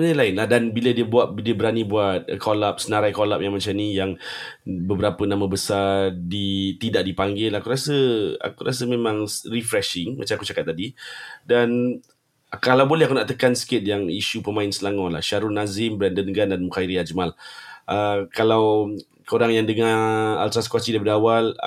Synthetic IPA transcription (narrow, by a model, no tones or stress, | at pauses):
ənalaɪnlahdanbilədiəbuat̪̚diəbəɾanibuat̪̚kolap̚sənaɾajkolap̚jaŋmat͡ʃamnijaŋ | bəbəɾapənãmãbəsadit̪idaʔ̚dipaŋɡɪlakuɾasəa̰kuɾʔasəmẽmãŋrifɾɛʃɪŋma̰t͡ʃamaku̥t͡ʃakat̪̚ːadidan | kalawbolɛɦakunaʔt̪əkansə̥kɪt̪̚jaŋiʃupəmãɪnsəlaŋɔla̰hʃaɾʊnazɪmbɾɛndənɡandanmukaiɾiad͡ʒmaləkalaw | kəoɾaŋjaŋdəŋaa̰lt̪ɾaskwasidabədawal